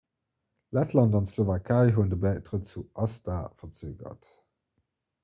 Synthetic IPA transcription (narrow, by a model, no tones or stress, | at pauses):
lætʰlɑndɑntslovakʰaɪɦuːndəbæɪtʁətt͡suʔɑstaːfɐt͡søːɡɐ̰t